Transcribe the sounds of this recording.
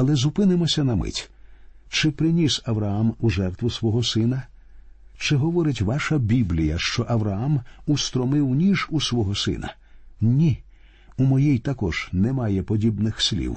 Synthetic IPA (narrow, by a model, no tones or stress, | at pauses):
ɐlˠɛzʊpɪnɪmɔsʲɐnɐmɪ̰tʲ | t͡ʃɪpɾɪnʲisɐʋɾɐamuʒɛrt̪ʋʊsʋɔɦɔsɪnɐ | t͡ʃɪɦɔʋɔɾɪtʲʋɑʃɐbʲiblʲijɐʃt͡ʃɔʔɐʋɾɐamust̪ɾɔmɪwnʲiʒusʋɔɦɔsɪ̰nɐ̰ | nʲi | umɔjɛjt̪ɐkɔʒ̥nɛmɑjɛpɔdʲibnɪxsʲlʲḭw